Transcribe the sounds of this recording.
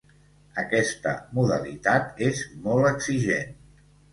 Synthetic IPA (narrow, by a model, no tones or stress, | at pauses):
əkɛst̪ə̰muðə̰lit̪at̪ezmɔlˠəkziʒḛn